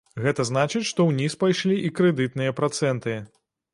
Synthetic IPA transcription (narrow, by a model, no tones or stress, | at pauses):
ɣɛt̪ɐznat͡ʂɨt͡sʲʂt̪ɔwnʲispajʂlʲiʔikɾɛd̪ɨt̪̚nɨjɐpɾat̪sɛnt̪ɨ